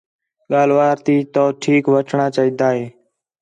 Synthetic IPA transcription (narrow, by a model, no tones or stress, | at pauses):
ɠaːl̤ʋaːɾt̪iːt̪oːʈʰiːkʋəʈʰɳaːt͡ʃaːiːd̪aːɦeː